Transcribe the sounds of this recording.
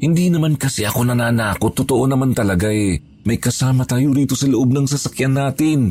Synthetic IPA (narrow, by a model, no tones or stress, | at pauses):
hɪnd̪inɐmankɐsɛʔɐko̞nɐnaːnaːko̞t̪ːot̪oʔonɐmant̪ɐlɐɡaʔɛ | mɐjkɐsaːmɐt̪aːjoɾiːt̪o̞sɐlʊʔo̞b̚nɐŋsɐsɐkjanːaːt̪ɪn